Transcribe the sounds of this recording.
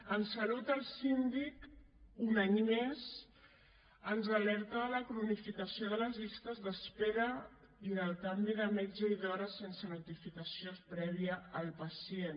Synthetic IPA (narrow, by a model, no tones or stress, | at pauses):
ənsəlut̪əlˠsind̪ik | unaɲmez | ənzəlɛɾt̪əələkɾunifikəsioðələzʎist̪əzðəspeɾə | iðəlˠt̪ambiðəmɛd͡ʒəiðɔɾəsensənut̪ifikəsijonspɾɛβ̞iəːlˠpəsien